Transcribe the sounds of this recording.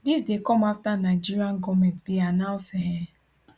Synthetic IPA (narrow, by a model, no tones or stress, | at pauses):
dis̬dekɔmaftanaɪd͡ʒiɾiãŋ̩ɡɔmɛ̃ntbianaʊsɛɦɛ